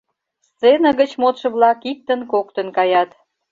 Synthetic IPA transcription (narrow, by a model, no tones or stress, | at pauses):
senəɣət͡ɕmot̪ʃə̆βlɑkik̚t̪ənkokt̪ənkɑjɑt̪